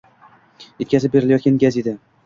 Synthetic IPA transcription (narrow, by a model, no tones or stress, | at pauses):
je̞t̪̚ʲkʰʲazɪp̚be̞ɾɪlajɒt̪ɡʲanɡʲazed̪a